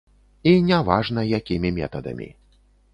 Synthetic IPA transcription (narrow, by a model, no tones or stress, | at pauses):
inʲavaʐnɐjakʲimʲimʲɛ̰t̪ɐd̪ɐ̰mʲḭ